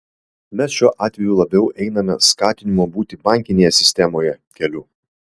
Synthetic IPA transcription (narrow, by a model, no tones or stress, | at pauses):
mʲɛsʃʲuɔʔɑːt̪ʲʋʲɛjuːlˠɐbʲɛʊʔɛɪnɐmʲɛ̰skɑːt̪ʲɪnʲɪmoːbuːt̪ʲɪbɑˑŋʲkʲɪnʲeːjɛsʲɪsʲt̪ʲɛmoːjɛ | kʲɛlʲʊː